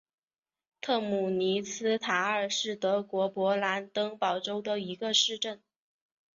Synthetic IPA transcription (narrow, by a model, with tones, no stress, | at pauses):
t̪ʰɤ˥˩mu˨˩ni˧˥t͡sʰɹ̩˥t̪ʰa˧˥ə˞˨˩ʂɻ̩˥˩t̪ɤ˧˥kwɔ˧˥pwɔ˧˥la˧˥nt̪ɤ˥ŋpɑ˨˩ʊʈ͡ʂo˥ʊd̪ə˨i˧˥ɡə˧ʂɻ̩˥˧ʈ͡ʂə˥˩n